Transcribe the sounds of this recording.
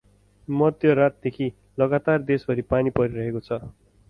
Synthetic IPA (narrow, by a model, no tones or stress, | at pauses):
mʌd̪jʌrat̪̚d̪ekʰi | lʌɡat̪ard̪esbʱʌɾipanipʌɾiɾʌɦekot͡sʰʌ